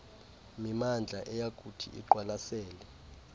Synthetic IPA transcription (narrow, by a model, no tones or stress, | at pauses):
mimand͡ɮʱaʔɛjakʼutʰḭʔḭǃwalasɛːlɛ